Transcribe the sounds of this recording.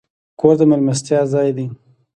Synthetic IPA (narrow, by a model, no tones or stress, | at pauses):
koɾd̪əmalmast̪jɑzɑjd̪i